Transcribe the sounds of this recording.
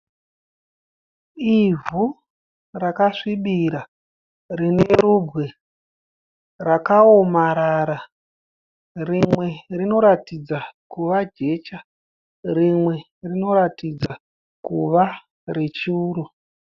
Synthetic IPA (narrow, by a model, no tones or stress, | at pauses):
ivu | rakaʂiɓiɾa | rine̞ɾubʱwe | rakaomaɾaɾa | rimwe̞rino̞ɾatid͡zakuʋad͡ʒe̞t͡ʃa | rimwe̞ | rino̞ɾatid͡za | kuʋa | re̞t͡ʃuːɾu